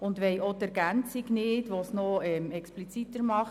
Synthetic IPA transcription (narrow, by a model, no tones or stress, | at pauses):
ʊnd̪ʋɛjot̪æɾɡænt͡siɡnɪːdʋosnoɛmɛksplit͡sit̪əɾmɑχ